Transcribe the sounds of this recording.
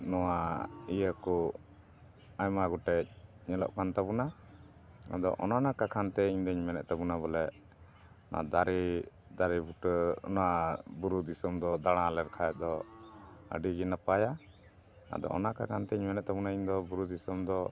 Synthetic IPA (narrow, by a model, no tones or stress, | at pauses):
nɔwaijəkɔ | ajmaɡɔʈɛc̚ɲɛlɔ̰ʔkant̪abuna | a̰d̪ɔ̰ʔɔ̰nanakakʰant̪ɛiɲd̪ɔɲmɛnɛ̰ʔ̪̚t̪abunaβɔlɛ | nʔa̰d̪aɾɛ | d̪aɾɛbuʈɔ̰naabuɾud̪isɔmd̪ɔd̪aɽ̃ãlɛɾkʰaɛd̪ɔ | ə̰ɖiɡinapaja | a̰d̪ɔ̰ɔ̰nakakʰant̪ɛiɲmɛnɛʔ̚t̪abunaiɲd̪ɔbuɾud̪isɔmd̪ɔ